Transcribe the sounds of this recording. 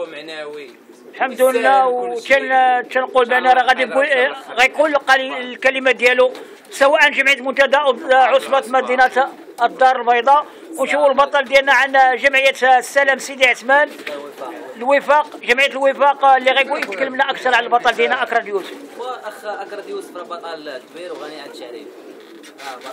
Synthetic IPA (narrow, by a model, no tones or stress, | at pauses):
ħamd̪unːæwt͡ʃ̪æt͡ʃːænqulbænɑɾˤɑɣæd̪iɡuɣæjkulqlkælimæd̪jælu | səwæʔənʒəmʕijt̪mʊnt̪æd̪æʔʕosˤbɑt̪mæd̪inæt̪ | əd̪ːɑɾˤəlbɑjd̪ˤɑ | wnʃufulbɑt̪ˤɑld̪jælnæʕanʒəmʕəjːæt̪sːæləmsid̪iʕət̪mæn | lwəfɑqʒəmʕəjæt̪əlwəfɑqlːiɣæjɡujət̪kəlːəmnæʔəkt̪ɑɾˤʕaləlbɑt̪ˤɑld̪jælnæʔəkɾˤɑd̪jusf